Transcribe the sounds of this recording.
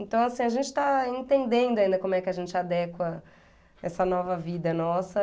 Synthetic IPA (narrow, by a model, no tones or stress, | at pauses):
ẽnt̪ɐ̃w̃asĩɐʒẽnt͡ʃɪ̥t̪aẽnt̪ẽnd̪ẽnd̪ʊaĩnd̪ɐkõmʊɛkɪɐʒẽnt͡ʃɪad̪ɛkwɐ | ɛsɐnɔvɐvid̪ɐnɔsɐ